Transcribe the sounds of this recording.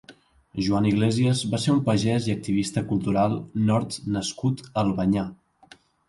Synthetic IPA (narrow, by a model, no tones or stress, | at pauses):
ʒuaniɣleziəzβaseɾumpəʒɛziək̚t̪iβ̞ist̪əkulˠt̪uɾalˠnɔɾt̪nəskut̪əlˠβəɲa